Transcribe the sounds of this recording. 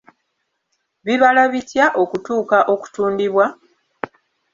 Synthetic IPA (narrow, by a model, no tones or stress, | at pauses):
βiβalaβitjaʔo̞kutuːkaʔo̞ku̥tuːndiβwa